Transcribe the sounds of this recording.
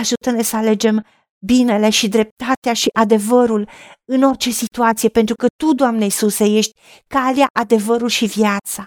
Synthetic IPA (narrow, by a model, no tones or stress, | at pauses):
aʒut̪əne̞səale̞d͡ʒe̞m | bine̞le̞ʃid̪ɾe̞p̚t̪at̪eaʃiʔad̪e̞vəɾulɨno̞rt͡ʃe̞sit̪uat̪sije̞pent̪ɾukət̪ud̪oamneisuseje̞ʃt̪ʲ | kaleaʔad̪e̞vəɾulʃivjat̪sa